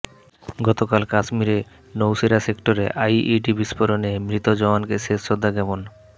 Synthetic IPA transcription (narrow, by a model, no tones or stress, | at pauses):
ɡɔt̪okalkaʃmiɾe | nowsiɾasekʈoɾḛʔajʔiʈibispoɾonemɾit̪od͡ʑɔankeʃeʃod̪ʱːaɡɛbon